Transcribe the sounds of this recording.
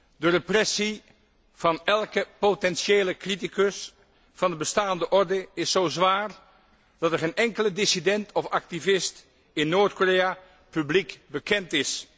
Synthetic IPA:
dərəprɛsi | v̥ɑnɛlˠkəpotɛnʃeːləkrit̬ikəs | fɑndəbəstaːndəʔɔɹdəɪsːowzʋaːɹ | d̥ɑtɛɹχejnʔɛŋkələdɪsidɛntʰɔfɑk̚tivɪst | ɪnːoːɹtkoreja | pyblikbəkɛntɪs

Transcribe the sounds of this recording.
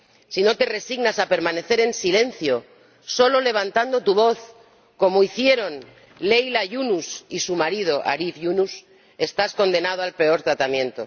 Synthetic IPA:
sino̞t̪e̞re̞siɣnasape̞ɾmãne̞θe̞ɾe̞nsile̞nθjo̞ | so̞lo̞le̞β̞ant̪and̪o̞t̪uβ̞o̞θ | ko̞moiθje̞ɾo̞n | lejlaʝunusisumaɾið̞o̞ʔa̰ɾifʝunus | e̞st̪asko̞nd̪enað̞oalpe̞o̞ɾt̪ɾat̪amjẽ̞nt̪o̞̰

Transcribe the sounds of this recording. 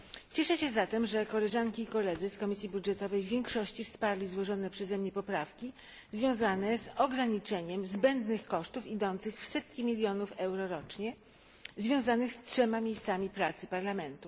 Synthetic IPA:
t͡ɕɛʂɛɕɛzat̪ɛmʐɛkɔlɛʐaŋkʲiːkɔlɛd̪zɘskɔmʲisʲjibudʐɛt̪ɔvɛjvʲjeɛŋkʂɔɕt͡ɕifspaɾlʲizwɔʐɔnɛpʂɛzɛmɲɛpɔpɾafkʲi | zvʲjɔ̃w̃zanɛzɔɡɾaɲit͡ʂɛɲɛmzbɛnd̪nɘxkɔʂt̪ufid̪ɔnt̪sɘxfsɛt̪kʲimʲilʲjɔnufɛwɾɔɾɔt͡ʂɲɛ | zvʲjɔ̃w̃zanɘxstʂɛmamʲjejst̪samʲipɾat̪sɘ̥paɾlamɛnt̪u

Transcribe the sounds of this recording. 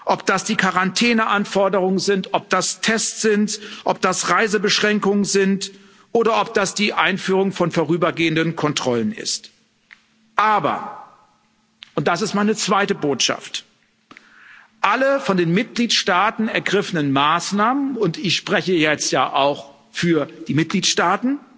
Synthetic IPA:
ʔɔpd̥asd̥iːkʰaʁantʰɛːnəʔanfɔɐdəʁʊŋənzɪntʔɔp̚d̥astʰɛst͡sz̥ɪntʔɔp̚d̥asʁaɪzəbəʃʁ̥ɛŋkʊŋənzɪnt | ʔoːɾɐʔɔp̚d̥asd̥iːʔaɪnfyːʁ̞ʊŋfɔnfoːʁyːbɐɡeːəndənkʰɔntʁ̥ɔlənɪ̰st | ʔaːbɐ̰ | ʔʊnt̚d̥asɪstmaɪnət͡sv̥aɪtəboːtʃa̰ft | ʔaləfɔndeːnmɪt̚ɡ̥liːtʃtaːtn̩ɛɐɡʁɪfənənmaːsnaːmənʊntɪçʃpʁ̥ɛçəjɛt͡stjaːʔaʊx | fyːɐd̥iːmɪt̚ɡ̥liːtʃtaːtn̩

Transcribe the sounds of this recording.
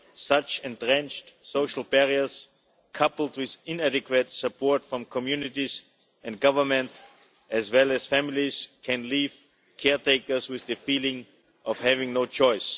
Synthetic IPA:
sʌt͡ʃɛ̃ntɹɛ̃nt͡ʃtsoʊʃl̩ˠbɛɹiə˞s | kʰʌpl̩ˠdwɪðɪ̃næɾɨkwɨtsɨpʰɔɹtfɹʌ̃mkʰɔmjʉnɪtiz | ɛ̃ndɡʌvə˞mɛ̃nt | ʔɛzwɛlˠɨz̥fæmɪlˠiz̥kʰɛ̃nliːv | kʰɛɹtʰeɪkə˞swɪððɨfiːlɪ̃ŋ | ʔɔv̥hævɪ̃ŋnoʊt͡ʃɔɪs

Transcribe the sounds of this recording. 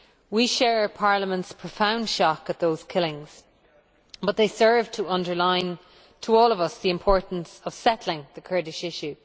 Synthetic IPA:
wiʃɛːɹəpʰaɹləmə̃ntspʰɹ̥əfãʊ̃nd̥ʃɔkət̪̚ðoʊz̥kʰɪlɪ̃ŋz̥ | b̥ʌt̪̚ðeɪsɜ˞v̥tʰəʌ̃ndə˞lãɪ̃n | tʰəɔːləvʌsðiɪ̃mpʰɔɹʔn̩səv̥sɛtlɪ̃ŋðəkʰɜ˞ɾɪʃɪʃʉ

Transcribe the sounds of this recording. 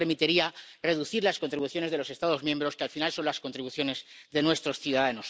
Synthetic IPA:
eɾmit̪iɾiare̞ðuθiɾlasko̞nt̪ɾiβuθjo̞ne̞zðelose̞st̪aðo̞zmjẽ̞mbɾo̞skealfinalso̞nlasko̞nt̪ɾiβuθjo̞ne̞zðe̞nwe̞st̪ɾo̞sθjuðaðano̞s

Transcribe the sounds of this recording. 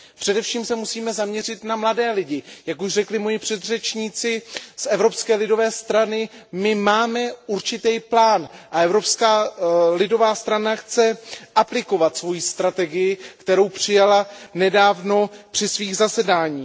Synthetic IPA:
pr̝̥ɛdɛfʃiːmsɛmusiːmɛzamɲɛrɪt̪namladɛːlɪɟɪjakuʃrɛklɪmojɪpr̝̥ɛd̪r̝ɛt͡ʃɲiːt͡sɪsʔɛvɾo̞pskɛːlɪdo̞vɛːst̪ɾanɪmɪmaːmɛuɾt͡ʃɪt̪ɛjplaːnʔaɛvɾo̞pskaːlɪdo̞vaːst̪ɾanaxt͡sɛʔaplɪko̞vat̪svo̞jiːst̪ɾat̪ɛɡɪjɪkt̪ɛɾo̞wpr̝̥ɪjalanɛdaːvno̞pr̝̥ɪsviːɣzasɛdaːɲiː

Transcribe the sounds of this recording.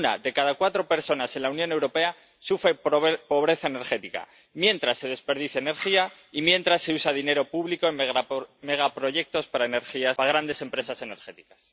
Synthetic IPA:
na̰ðe̞kaðakwat̪ɾo̞pe̞ɾso̞nase̞nlaunjõ̞ne̞wɾo̞pe̞a | sufɾe̞popo̞β̞ɾe̞θaene̞ɾxe̞t̪ika̰ | mje̞nt̪ɾasːe̞ð̞e̞spe̞ɾðiθjaeːne̞ɾxia | imjẽ̞nt̪ɾasːeusaðine̞ɾo̞puβliko̞eme̞ɣ̞apɾo̞ʝe̞k̚t̪o̞spaɾaene̞ɾxiaaɣ̞ɾand̪e̞se̞mpɾe̞sase̞ne̞ɾxe̞t̪i̥kḁs

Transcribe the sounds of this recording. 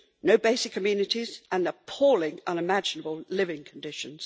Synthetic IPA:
nəʊbeɪsɪkʰːəmjʉnɪtizə̃nəpʰɔːlɪ̃ŋʌ̃nɪmæd͡ʒɨnəbəlˠlɪvɪ̃ŋkʰə̃n̩dɪʃə̃nz̥

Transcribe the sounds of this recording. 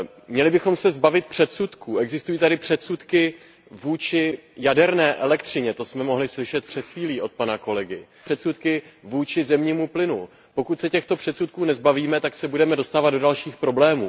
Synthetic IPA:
mɲɛlɪbɪxo̞msɛzbavɪt̪̚pr̥ɛt̪sut̪kuːɛɡzɪst̪ujiːt̪adɪpr̥ɛt̪sut̪kɪ | vuːt͡ʃɪjadɛɾnɛːʔɛlɛkt̪r̝̥ɪɲɛt̪o̞smɛmo̞ɦlɪslɪʃɛt̪̚pr̥ɛt̪xviːliːʔo̞t̪̚panako̞lɛɡɪ | r̥ɛt̪sut̪kɪvuːt͡ʃɪzɛmɲiːmuplɪnṵ | po̞kut̪sɛcɛxt̪o̞pr̝̥ɛt̪sut̪̚kuːnɛzbaviːmɛt̪aksɛbudɛmɛdo̞st̪aːvad̪do̞dalʃiːxpɾo̞blɛːmuː

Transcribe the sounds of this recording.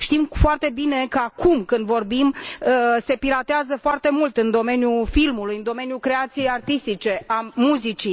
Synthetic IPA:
ʃt̪imfoart̪e̞bine̞kəakumkɨnd̪vo̞rbim | se̞piɾat̪eazəfoart̪e̞mult̪ɨnd̪o̞me̞njufilmulujɨnd̪o̞me̞njukɾe̞at̪sije̞jart̪ist̪it͡ʃe̞amuzit͡ʃi

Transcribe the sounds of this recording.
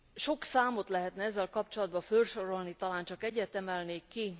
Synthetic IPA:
ʃo̞ksaːmot̪lɛɦɛt̪nɛɛzːɛlkɒpt͡ʃo̞lɒd̪̚bɒfølʃo̞ɾo̞lnit̪ɒlaːnt͡ʃɒkɛɟːɛt̪ɛmɛlneːkːi

